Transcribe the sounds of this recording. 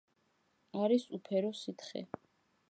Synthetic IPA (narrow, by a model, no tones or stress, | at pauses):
aɾisupʰɛɾɔsit̪ʰχɛ̰